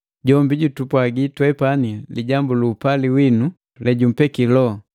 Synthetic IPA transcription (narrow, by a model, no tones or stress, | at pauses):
ɟɔmbiɟutupwaɡitwɛpaniliɟambuluːpaliwinu | lɛɟum̩pɛkilɔ